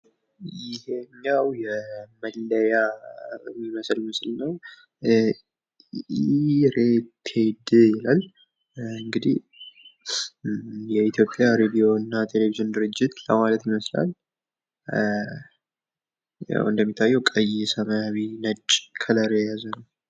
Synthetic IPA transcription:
jɪheɲːawjɛməlːəja | miməslməslnəw | ɾet̪ʰed̪jɛlal | ɨŋɡɨd̪ih | jɛit̪ʰjo̞pʼːjaɾed̪ijo̞ɨnːat̪ʰe̞le̞vizɨnd̪ɨɾɨd͡ʒːɪt̪lə̰malət̪jɪməsla̰l | ja̰wʔɨnd̪əmːit̪ʰːajːɛwkʼəjɪsəmawinət͡ʃʼkʰələɾejɛjazənəw

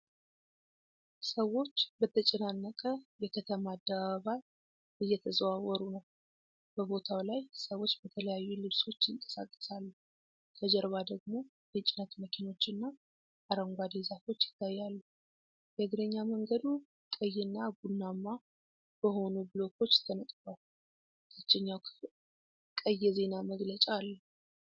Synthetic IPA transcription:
səwːo̞t͡ʃːbət̪ʰət͡ʃʼɛnanːəkʼəjɛkʰət̪ʰəmad̪ːəβaaβaj | ʔɨjːɛt̪ʰəzwawɔɾunəw | b̥əβo̞t̪ʰawlajsəwo̞t͡ʃːbət̪ʰələjajːulɨβso̞t͡ʃːɪŋkʼə̥sa̰kʼːə̥salːu | t̪ʰəd͡ʒɛɾβad̪əɡmo̞ | bɛt͡ʃʼɪnət̪məkʰino̞t͡ʃːɨnːa | aɾəŋɡʷad̪ezafo̞t͡ʃːjɪ̥t̪ʰːajːalːu | bɛɡɾəɲːaməŋɡəd̪u | kʼəjːɛnːaɡunːamːa | b̥əho̞nubɨlo̞ko̞t͡ʃːt̪ʰənət̪ʼbal | t̪ʰət͡ʃːɛɲːawkʰɨ̥fl | kʼəjːɛze̞naməɡlət͡ʃʼalːəhu

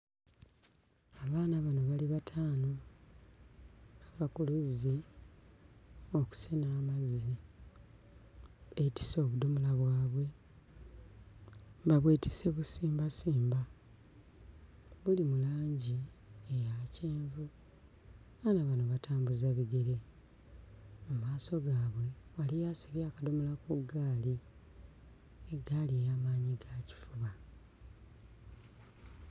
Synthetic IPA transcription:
aβaːnaβano̞βaliβatʰaːno | aβakuluzi | oku̥sinaːmazi | βeti̥so̞ːβudomulaβwaːβwe̞ | baβweːtʰi̥se̞βusiːmbasiːmba | βulimulaːɲɟi | ejace̞ːɱvu | anaβanoβatʰaːmbuzaβiɡe̞ɾe̞ | mumaːso̞ɡaːβwe̞walijasiβjaːkadomulakuɡaːli | eɡaliejamaːɲiɡaːci̥fuβa

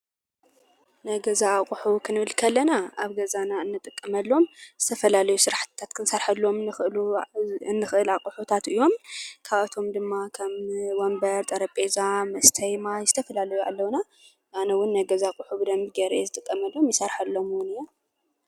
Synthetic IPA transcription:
nɐɡɐzaːkʼʊħukʰɨnɨβɨlkʰɐlːɐnaaβɡɐzanaɨnːɨt̪ʼɨkʼːɐmɐlːo̞mz̥ɨt̪ʰɐfɐlalɐjusɨɾaħt̪ɨt̪ʰːat̪kʰɨnsɐɾħɐlːo̞mɨnɨxɨluɨnːɨxʔɨlaqʼuħut̪ʰat̪ʔɨjːo̞mkʰaβat̪ʰo̞md̪ɨmːakʰɐmwombɐɾt̪ʼɐɾɐpʼezamɐst̪ʰɐjmajzɨt̪ʰɐfɐlalɐjua̰lːɐwna | ʔanɐwʊnːɐɡɐzakʼʊħubɨd̪ɐmbiɡɐɾʔezɨt̪ʼɨkʼːɐmɐlːo̞mjɪsɐɾħɐlːo̞mwʊnɨjːo

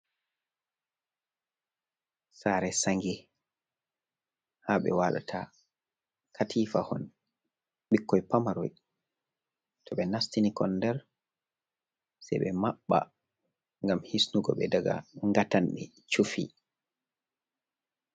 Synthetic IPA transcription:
saːɾɛsaŋɡɛ | haɓɛ̰waːɗa̰tʰa | kʰatʰiːfahɔn | ɓikːɔjpamaɾɔj | tʰɔɓɛnastinikʰɔndɛɾ | sɛ̰jɓɛmaɓːa̰ | ŋɡamhisnuɡɔ̰ɓɛdaɡa̰ŋɡatanɓɛ̰ | t͡ʃufḭ

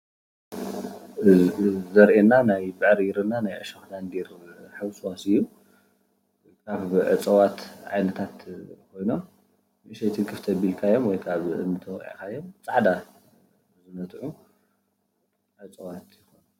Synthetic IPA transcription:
zɐɾʔenːanajbɨʕɾjiɾɨnːanajʕɨʃɐxd̪and̪iɾħɨβsuwasɨjːu | kʰaβʕɨ̰t͡sʼɐwat̪ʕa̰jnɐt̪ʰat̪kʰo̞jno | ʔɨʃɐjt̪ʰɨŋkʰɨft̪ʰɐbilkʰajːomwɔjkʰaβɨ̰nːɨt̪ʰɐwkʼḭʕkʰajːo̞mt͡sʼaʕd̪a | zɨnɐt̪ʕu | ʕɨt͡sʼɐwat̪jɪxonu

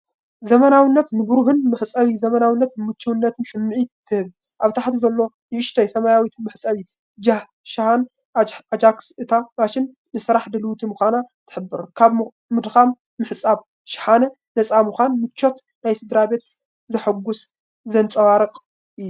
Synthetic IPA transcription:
zɐmɐnawinːɐt̪nɨbɨɾuɦɨnmɨħɨsʼɐβizɐmɐnawinːɐt̪nɨmɨt͡ʃːiwnːɐt̪ʰɨnsɨmːɨʕit̪ʰːɨhɨβ | ʔaβt̪ʰaħt̪ʰizɐlːo̞ | nɨʔɪʃt̪ʰɐjsɐmajawit̪ʰmɨħsʼɐβi | d͡ʒa | ʃahanː | d͡ʒaksɨt̪ʰabaʃɪnːɨsɨɾaħd̪ɐlwt̪ʰimɨxʷanat̪ʰɨ̥ħɨbːɨɾkʰaβ | mɨd̪xamː | ɨħɨt͡sʼaβ | ʃɪ̥ħanɐ | nɐt͡sʼamɨxʷanmɨt͡ʃːo̞t̪ | najsɨd̪ɾabe̞t̪ | zɨħaɡːʊs | zɐnt͡sʼɐwaɾɨqʼ | ʔɨjːu

